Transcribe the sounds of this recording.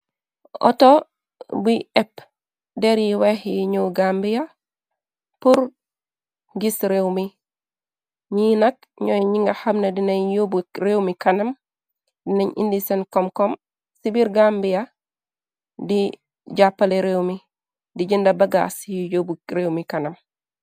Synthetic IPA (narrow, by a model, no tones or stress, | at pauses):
ɔ̰to | bujɛp | dɛɾjiwehjiɲoɡambija | puɾ | ɡisɾewmi | ɲinɐk̚ | ɲɔjɲiŋɡahamnɐdinaɲjobuɾewmikɐnɐm | dinaɲʔḭndisenkɔmkɔm | sibiɾɡambija | di | d͡ʒapːaleɾewmi | diɟindabɐɡa̰sjijobuɾewmikɐnɐm